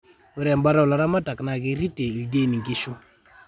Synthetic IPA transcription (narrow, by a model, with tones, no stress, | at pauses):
wu˦ɾɛ˨m˦ba˦ɾa˦˨la˨ɾa˦ma˦ta˨kna˨ki˦ɾi˦te˨lde˦˨ni˨ŋɡi˦ʃu˦